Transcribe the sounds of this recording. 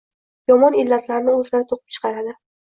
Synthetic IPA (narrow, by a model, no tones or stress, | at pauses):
jɒmɒnɪlːat̪ʰlaɾnɪɵzlaɾɪt̪ʰoqʰɨp̚t͡ʃʰɨ̥qɑɾad̪ɪ